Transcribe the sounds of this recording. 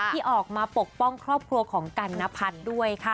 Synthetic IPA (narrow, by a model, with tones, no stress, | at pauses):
tʰiː˥˩ʔɔː˨˩k̚maː˧po˨˩k̚pɔ˥˩ŋkʰɾɔː˥˩p̚kʰɾu˧ɐkʰɔː˩˦ŋka˧nːa˦˥pʰa˦˥t̪̚du˥˩əjkʰa˥˩